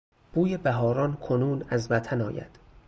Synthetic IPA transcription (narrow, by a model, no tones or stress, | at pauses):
b̥uːjebæɦɒːɾɒnkʰonuːnæzvæt̪ʰænɒ̰ːjæ̰d̪̥